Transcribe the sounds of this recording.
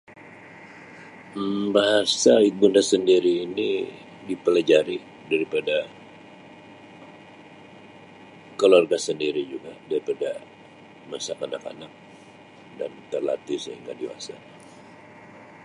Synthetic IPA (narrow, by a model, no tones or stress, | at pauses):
mbaɦasaik̚bundasəndiɾiːni | dipəlad͡ʒaɾi | daɾipada | kəluarɡasəndiɾid͡ʒuɡadaɾipada | masakanaka̰nak̚ | dant̪ərla̰t̪isəɦḭŋɡa̰diwa̰sa